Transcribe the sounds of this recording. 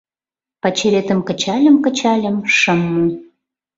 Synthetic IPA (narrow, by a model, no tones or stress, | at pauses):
pɑt͡ɕeɾet̪əmkə̆t͡ɕɑlʲəmkə̆t͡ɕɑlʲəmʃəmːu